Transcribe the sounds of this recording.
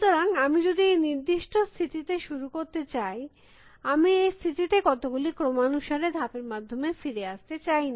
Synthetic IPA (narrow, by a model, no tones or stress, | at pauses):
ʃut̪oɾaŋamid͡ʑod̪ieniɾd̪iʃʈʰost̪ʰiʈiʈ̪eʃuɾukoɾt̪et͡ɕaj | amiejst̪ʰiʈiʈ̪ekɔt̪oɡulikɾomanuʃaɾed̪ʱapeɾmad̪ʱːomefiɾeast̪et͡ɕajna